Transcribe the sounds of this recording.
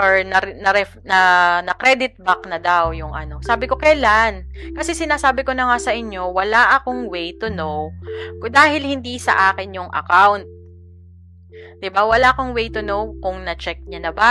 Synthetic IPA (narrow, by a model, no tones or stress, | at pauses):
ʔoɹnɐɾnɐɾɛ | nɐnɐkɾɛd̪ɪt̪̚bɐknɐd̪awjʊŋʔɐ̰no̞saːbɪko̞kɐjlankɐsɛsɪnaːsaːbɪko̞nɐŋasɐʔɪɲjo̞wɐlaʔɐkoŋwejt̪ʊnowkd̪aːhɪlhɪnd̪isɐ̰ʔaːkɪnjʊŋʔɐ̰kawnt̪̚ | d̪̥ɪbawɐlaʔɐkoŋwejt̪ʊnowkʊŋnɐt͡ʃɛk̚ɲanɐba